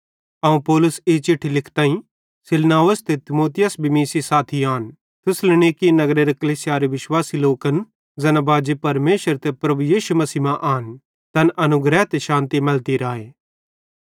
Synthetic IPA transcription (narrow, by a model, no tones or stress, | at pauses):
ɐũpɔːlʊset͡ʃɪʈʰːilɪkʰt̪ãːĩ | sɪlnaːʋəst̪ʰet̪ɪmoːt̪ɪjəsbimiːsisaːt̪ʰiaːn | t̪ʊslɪɽ̃eːkinɐɡɾeɾɐkɐliːsɪjaːɾeʋɪʃwaːsiloːkən | d͡zɛːnabaːd͡ʒepɐɾmeːʃəɾt̪ʰepɾɐbujiːʃumɐsiːmãʔaːn | t̪ɐnɐnʊɡɾɛːt̪eʃãːnt̪imɐlt̪iɾaːeː